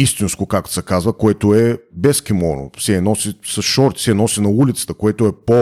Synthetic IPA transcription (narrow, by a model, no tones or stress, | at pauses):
ist̪inskokakt̪sɛkazvəkoɛt̪oɛbɛskimɔno̰fsɛnɔsisɐsʃɔɾt̪fsɛnɔsinɐulit̪sə̥t̪əkoɛt̪oɛpo